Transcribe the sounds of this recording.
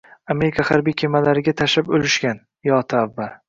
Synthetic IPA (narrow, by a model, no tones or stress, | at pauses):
ame̞ɾɪkʰahaɾbijkʲʰe̞malaɾɪɡʲat̪ʰaʃapolɪʃkʲan | jɒt̪ʰaːvːal